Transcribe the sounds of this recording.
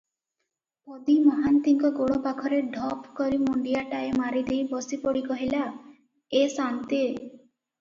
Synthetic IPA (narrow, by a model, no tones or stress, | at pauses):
ɔd̪imɔɦant̪iŋkɔɡoɽopakʰɔɾeɖʱɔpkɔɾimɔɳɖijaʈaemaɾid̪ejbɔsipɔɽikɔɦila | esant̪i